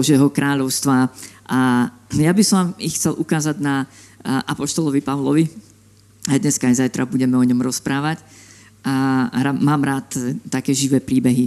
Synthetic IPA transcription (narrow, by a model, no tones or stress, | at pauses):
ɔʒɛːɦɔkɾʔaːʎɔʊst̪ʋaʔajabisɔixt͡sɛlʔukaːzaɟna | ʔapɔʃt̪ɔlɔʋipaʊlɔʋi | ad̪ɲɛskaajzajt̪ɾabuɟɛmɛɔɲɔmɾɔspɾaːʋac | ɾamaːmɾaːt̪t̪ːakɛːʒiʋɛːpɾiːbɛɦi